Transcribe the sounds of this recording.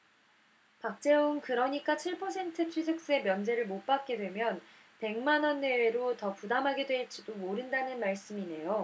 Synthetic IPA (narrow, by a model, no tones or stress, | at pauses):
pak̚t͡ɕ͈e̞unkɯɾʌɲik͈at͡ɕʰiɭpʰʌsʰe̞ntʰɯt͡ɕʰɥisʰɯk̚s͈ue̞mjʌnd͡ʑe̞ɾɯɭmop͈ak̚k͈e̞dwe̞mjʌn | pe̞ŋmanʌnːe̞ɾotʌpudamɦaɡedwe̞ɭt͡ɕ͈idomoɾɯndanɯnmaɭs͈ɯmine̞jo